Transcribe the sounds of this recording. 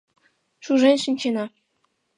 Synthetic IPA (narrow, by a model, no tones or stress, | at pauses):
ʂuʐenʲʂɘ̆nʲt͡ɕenɑ